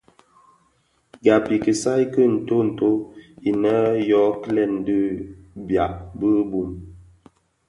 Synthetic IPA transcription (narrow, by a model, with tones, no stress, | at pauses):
ɡa˨pi˨kə˨sa˦jkə˦n̩˨to˦n̩˨to˦i˨nə˦jɔ˨˦klɛ˦˨n˨də˦bja˨ʔbə˦bu˨m